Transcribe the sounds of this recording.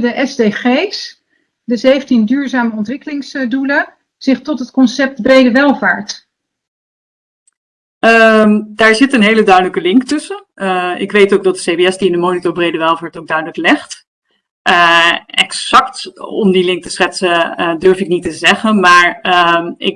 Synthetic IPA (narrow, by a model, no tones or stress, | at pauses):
dəʔɛzdeχejs | dəzejvəntindyːɹzaːməɔntʋɪkəlɪŋsdulə | z̥ɪχtɔtɦətkɔnsɛp̚tbrejdəʋɛlˠva̰ːɹt | əmdaːɹzɪtənɦejlədœɥdələkəlɪŋktɵsəəɪkʋejtowk̚dɑt̚dəsejbeɛsdiɪndəmownitoɹbrejdəʋɛlˠvaːɹtowɡ̚dœɥdələklɛχt | ʔəɛksɑktɔ̰mdilɪŋk̚tə̥sχɛtsədøɹfɪk̚nitəzɛχənmaːɹəɪ̰k